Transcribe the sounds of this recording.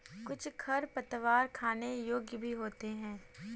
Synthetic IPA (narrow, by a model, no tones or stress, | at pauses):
kʊt͡ʃʰkʰɐɾpɐt̪ʋaːɾkʰaːnejoːɡjbʱiɦoːt̪eɦɛ̃ː